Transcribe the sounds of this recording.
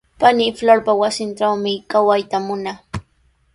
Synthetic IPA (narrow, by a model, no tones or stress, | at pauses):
panɪfloɾpawasɪnʈ͡ʂawmɪkawajt̪amʊna